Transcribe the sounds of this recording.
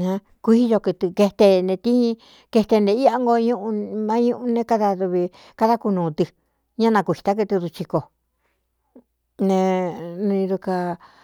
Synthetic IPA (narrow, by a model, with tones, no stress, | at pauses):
nã˧ | kʷi˦˧jo˧kɨ˧t̪ɨ˧ke˧t̪e˧nẽ˧t̪ĩ˦hĩ˧ | ke˧t̪e˧nd̪e˧i˦a˦ŋɡo˧ɲũ˦ʔũ˧mã˦ɲũ˦˧ʔũ˧nẽ˦ka˦ða˧ðu˧βi˧ | ka˦ða˦ku˧nũː˨˧t̪ɨ˧ | ɲã˦nã˧kʷi˨t̪a˦k̬ɨ˧t̪i˧ɾu˧t͡ʃi˧ko˧˨ | nẽ˧nũ˧ĩ˧ðu˧ka˧